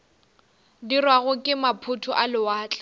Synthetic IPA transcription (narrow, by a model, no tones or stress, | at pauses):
dirwaɣʊkʼɪmapʰʊtʰʊʔalɪwaːt͡ɬʼḁ